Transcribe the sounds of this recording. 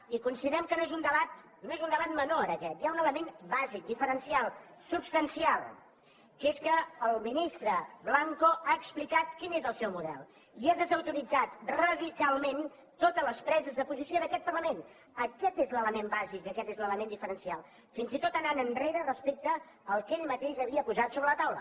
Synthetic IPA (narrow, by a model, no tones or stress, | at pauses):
ikunsiðəɾɛmkənoezund̪əβat̪̚ | noezund̪əβat̪̚mənoəɾəkɛt̪jaunələmenbazik̚d̪ifəɾənsialˠsupst̪ənsialˠ | keskəəlˠminist̪ɾəblaŋkoaəksplikat̪kinezəlˠsɛwmuðɛ̰lˠ | iaðəzəwt̪uɾid͡zat̪rəðikalˠmen | t̪ot̪ələspɾɛzəzðəpuzisioðəkɛt̪̚pərləmen | əkɛt̪ezlələmembazik̚d̪əkɛt̪ezlələmend̪ifəɾənsialˠ | finzit̪ot̪ənanənreɾərəspek̚t̪əː | lˠkeʎmət̪eʃəβiəpuzat̪soβɾələt̪awlə̰